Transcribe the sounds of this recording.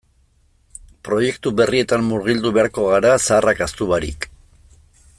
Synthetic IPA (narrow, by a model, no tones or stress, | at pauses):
pɾo̞je̞kt̪uβe̞rie̞t̪ammuɾɣild̪uβe̞aɾko̞ɣ̞aɾasaːrʔakast̪uβaɾḭk